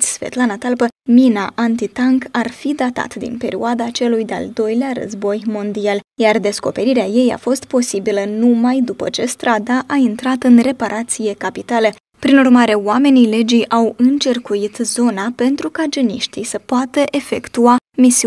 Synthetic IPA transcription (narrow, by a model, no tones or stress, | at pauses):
sfḛt̪lanat̪alpəminaʔant̪it̪aŋkarfid̪at̪a̰t̪d̪ḭnpe̞ɾioad̪at͡ʃe̞lujd̪ea̰ld̪o̞jlearə̰zbo̞jmo̞nd̪ialjard̪e̞sko̞̰pe̞ɾiɾeaje̞ja̰fo̞st̪̚po̞sibilənumajd̪upə̰t͡ʃe̞st̪ɾad̪aʔaint̪ɾat̪ɨnre̞paɾʔat̪sije̞kapit̪alə | pɾinurmaɾe̞oame̞nile̞d͡ʒijʔawɨnt͡ʃerkuit̪zo̞nape̞nt̪ɾukad͡ʒeniʃt̪ijsəpoat̪əʔe̞fe̞̰kt̪uamisi